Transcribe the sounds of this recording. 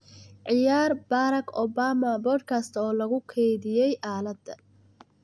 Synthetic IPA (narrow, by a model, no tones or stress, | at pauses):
ʕɪjaːrbaːɾɐkʰɔbaːmɐbɔd̪kʰast̪ʰɔːlɐɣʊkʰɛjðɪjɛjʔaːlɐd̪ɐ